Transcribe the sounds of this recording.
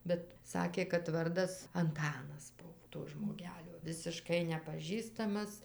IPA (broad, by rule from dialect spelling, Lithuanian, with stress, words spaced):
bʲɛt ˈsɑːkʲeː kɐt ˈʋɐrdɐs ɐnˈtɑːnɐs ˈbʊw toː ʒmoːˈɡʲæːlʲoː ʋʲɪsʲɪˈʃkɐɪ nʲɛpɐˈʒʲiːstɐmɐs